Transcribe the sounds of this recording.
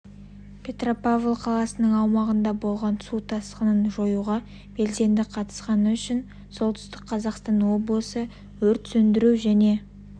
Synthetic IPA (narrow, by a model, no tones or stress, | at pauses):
pʰʲe̞t̪ro̞pavlˠqʰɑlˠɑsənəɴɑwmɑʁənd̪ɑbo̞lˠʁɑnsut̪ʰɑsqənənʒo̞juʁɑ | b̥e̞lse̞nd̪ɪqʰɑt̪ə̥sqɑnəʏʃɪn | so̞lˠt̪ʏ̥st̪ɪqqʰːɑzɑqst̪ɑnwo̞blˠəsə | wɵɾt̪sɵnd̪ɪɾuwʒæne̞